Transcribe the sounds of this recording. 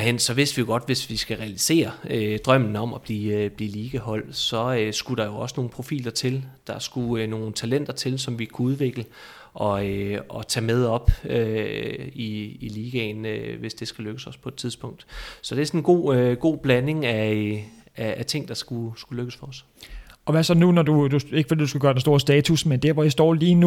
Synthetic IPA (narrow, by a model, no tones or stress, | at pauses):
ɦen̰sɒ̽ʋe̝sd̥ʋijoɡ̥ɒ̽d̥ʋe̝sʋisɡ̥æʁɛælise̝̰ːɐød̥ʁɶm̰n̩ɒ̽mɒb̥liːb̥liːliːɡ̥əɦɒ̽l̰d̥sɒ̽øsɡ̥uɾ̥ɑ̈jo̝ɒ̽səno̝ːn̩pʰʁo̝fḭːlɐt͡sʰe̝ld̥ɑ̈sɡ̥uno̝ːn̩t͡sʰælen̰d̥ɐt͡sʰe̝lsɒ̽mʋikʰuuð̞ˠʋe̝ɡ̥lə | ɒ̽øɒt͡sʰɛ̰ːmeð̞ˠɒ̽b̥ø | iiliːɡ̥ɛnʋe̝sd̥e̝sɡ̥æløɡ̥əsɒ̽spʰɒ̽ed̥t͡sʰiðˠsb̥ɔ̽ŋ̰d̥sɒ̽d̥esɒnnɡ̥o̝̰ːɡ̥o̝̰ːb̥læne̝ŋæ | æːt͡sʰe̝ŋ̰d̥ɑ̈sɡ̥usɡ̥uløɡ̥əsfɒɒs | ɒ̽ʋæsɒ̽nunɒd̥ud̥ue̝ɡ̥fɒd̥ḭːd̥usɡ̥uɡɶɐd̥enso̝ɐsd̥ɛːt͡sʰusmend̥æɐʋɒisd̥ɒ̰ːliːnu